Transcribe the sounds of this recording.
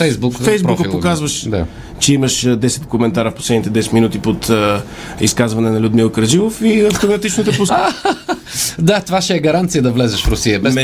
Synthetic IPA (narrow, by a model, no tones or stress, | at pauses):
fɛjsbukfɛjzbukɐpokazvɐʃd̪a̰ | t͡ʃɛimɐʃd̪ɛsɛ̥t̪komɛnt̪aɾɐfposlɛd̪nit̪ɛd̪ɛsɛt̪minut̪ipot̪ | ḭskazvɐnɛnɐlʲud̪milˠkəɾʒilˠofiɐft̪omɐt̪it͡ʃnot̪ɛposa | d̪at̪ovaʃɛɡɐɾãnt̪sijɐd̪ɐvlɛzɛʃfɾusiɐbɛ